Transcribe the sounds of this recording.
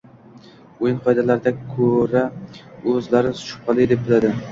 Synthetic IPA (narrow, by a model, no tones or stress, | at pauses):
ojɪnqʰɒjd̪alaɾɪd̪akʰɵɾaɵzlaɾɪsʃʊ̥p̚qɑlˠɪjd̪ep̚bɪlad̪ɪ